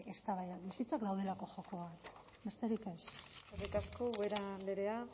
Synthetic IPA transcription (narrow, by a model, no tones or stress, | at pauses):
e̞st̪aβajaβisit͡sakd̪awð̞e̞lako̞ʝokoβat̪ | be̞st̪e̞ɾike̞serikaskoweɾand̪eɾea